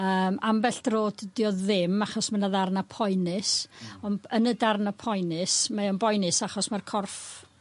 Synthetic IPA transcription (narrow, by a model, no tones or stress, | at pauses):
əːmʔambɛɬd̥roːddiɔðɪmaχɔsmanaðarnapʰɔjnɨsɔnənədarnapʰɔjnɪsmaɔnbɔjnɨsaχɔsmarkʰɔrf